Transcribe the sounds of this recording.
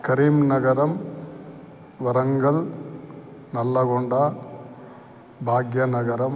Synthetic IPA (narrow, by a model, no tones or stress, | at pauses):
kɐɾiːmnɐɡɐɾɐm | ʋɐɾɐŋɡɐl | nɐlːɐɡoɳɖɐ | bʱaːɡjɐnɐɡɐɾɐm